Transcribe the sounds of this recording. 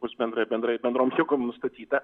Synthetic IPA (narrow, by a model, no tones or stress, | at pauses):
bʊsbʲɛnd̪ɾɐɪbʲɛnd̪ɾɐɪbʲɛnd̪ɾoːmjɛɡomnʊst̪ɐt̪ʲiːt̪ɐ